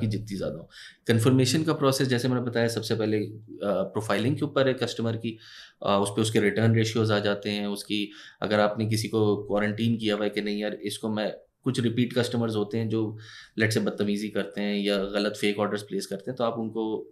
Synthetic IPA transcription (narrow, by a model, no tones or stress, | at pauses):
kid͡ʒɪt̪nĩzja̰ːd̪aɦõːkɐ̃nfəɾmeːʃənkapɾɔːseːs̬d͡ʒɛːsemɛːnebɐt̪aːjasɐbsepɛɦlepɾoːfʰaːɪlɪ̃ŋɡkeuːpəɾɦɛkɐsʈəməɾki | ʊspeʊskeɾɪʈəɾnɾeːʃioːzaːd͡ʒaːt̪eɦɛ̃ʊskiɐ̰ɡəɾaːpnek̬ɪsikokwɔːɾə̃ɳʈiːnkijaʋaɛkenɐɦĩɔːɾɪskomɛ̃ | kʊt͡ʃʰɾɪpiːʈkɐsʈəməɾzɦoːt̪eɦɛ̃d͡ʒoːlɛʈsebɐd̪̚t̪ːɐmiːzikɐɾt̪eɦɛ̃jaɣɐlət̪feːkɔːɾɖəɾzpleːskɐɾt̪eɦɛ̃t̪oaːpʊnko